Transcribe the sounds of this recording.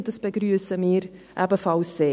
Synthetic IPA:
dɑsb̥eɡɾyːəsəmɪːɾʔæbəfɑlsːeː

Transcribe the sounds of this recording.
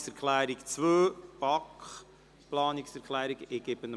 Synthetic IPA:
sɛɾkʰlæːɾikt͡svøːb̥ɑkχ | plɑːnɪksɛɾkʰlɛːɾiɡɪɡ̥ɪbənə

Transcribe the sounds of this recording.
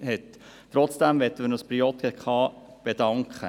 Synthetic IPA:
hɛt | tːɾɔt͡sd̥æmvɛt̪ːəmənəspɾiɔt̪ɡɛkχɑːb̥edɑŋkʰχə̰

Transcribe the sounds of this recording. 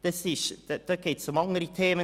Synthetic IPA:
d̪̥ɑsɪʃd̥̪ɑɡ̥eːtsʊmɑŋəɾit̪ʰeːmə

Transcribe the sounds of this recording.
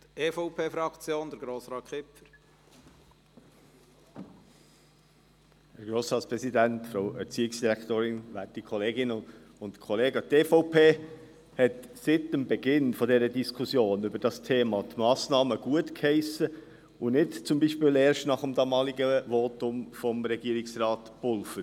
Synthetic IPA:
teːfoʊpʰeːfɾɑkt͡sjoːnd̪əɾɡɾoːsɾɑːtkʰɪpfəɾ | həɾɡ̥ɾoːsɾɑːtt͡spʁɛsidæntfɾaʊɛɾt͡siːɪksd̥iɾækt̪oːɾɪnʋætikʰχɔleːɡɪnə | ʊntkʰɔleːɡəteːfoʊpʰeː | hɛtsɪtəmbɛɡɪnfɔdɛɾədiskʰʊsjoːnʏbəɾd̥ɑstʰeːmɑtmɑːsnɑːməɡ̥uətkhɛɪsə | ʊnɪtt͡sʊmbiːʃpɪːleːɾʃtnɑχəmd̪ɑːmɑːliɡəʋɔːtʊmfɔmɾɛɡ̥iəɾɪksrɑːtb̥ʊlfəɾ

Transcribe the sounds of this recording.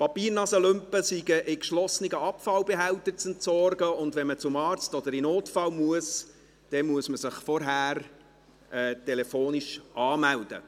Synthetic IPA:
pɑpiːɾnɑsəlʏmpəsiɡəʔɪkʃlɔsnɪɡəɑpfɑlbɛɦæwt̪ət͡sɛntsɔrɡəʊndvɛnmət͡sʊmɑːɾt͡stɔd̥̪əɾɪnoːtfɑlmuəs | d̥ɛnmuəsməsɪχfɔɾɦæːr | ɛːtɛlɛfoːniʃʔɑːmæld̥ə̰

